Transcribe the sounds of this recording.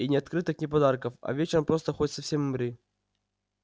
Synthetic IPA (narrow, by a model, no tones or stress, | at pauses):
inʲɪɐt̪kɾɨt̪ɨknʲɪpɐd̪arkəfɐ̰vʲet͡ɕɪɾəmpɾost̪əxodʲt̪sɐfsʲemɨmɾɨ